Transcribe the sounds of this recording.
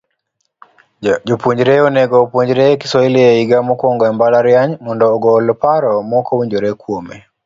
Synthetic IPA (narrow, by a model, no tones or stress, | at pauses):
d͡ʒopuɲd͡ʒɾɛɔnɛɡɔpuɲd͡ʒɾɛki̥sɔilieiɡamɔkwɔŋɡɔɛmbalaɾjaɲmɔndɔːɡɔlɔpaɾɔmɔkɔwiɲd͡ʒoɾɛkwomɛ